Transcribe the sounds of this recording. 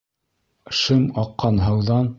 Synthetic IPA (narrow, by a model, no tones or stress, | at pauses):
ʃɤmɑqːɑnɦɤ̆wðɑn